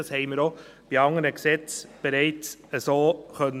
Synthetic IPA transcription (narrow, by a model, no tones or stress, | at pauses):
ɑshɛɪməɾo | b̥iɑŋəɾəksɛt͡sb̥eɾɛɪt͡səsoːχœn